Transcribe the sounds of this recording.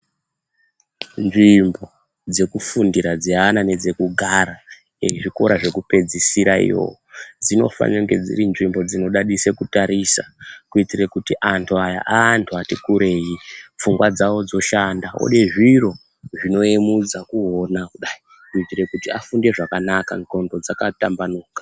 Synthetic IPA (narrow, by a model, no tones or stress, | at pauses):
nʐimbo̞ | d͡ze̞kufundiɾad͡zianane̞d͡ze̞kuɡʱaɾa | eʐiko̞̰ɾaʐe̞kupe̞d͡zisiɾaḭjo̞̰od͡zino̞̰fa̰neŋɡe̞d͡zḭrinʐimbo̞d͡zino̞ɗaɗise̞kutaɾisa̰kuitire̞kutiʔantʰuaja̰ʔaːntʰuatikuɾe̞jip͡fuŋɡwad͡zawo̞d͡zo̞ʃandao̰ɗe̞ʐiro̞ | ʐino̞emud͡zakuo̞nakuɗai | niitire̞kutiafunde̞ʐakanaka̰nto̞ndo̞d͡zakatambanuːkḁ